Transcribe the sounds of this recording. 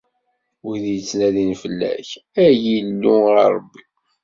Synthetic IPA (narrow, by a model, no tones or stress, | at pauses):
wiðjət͡sːnæðinfəlːæ̰çæjilːṵɾˤbːi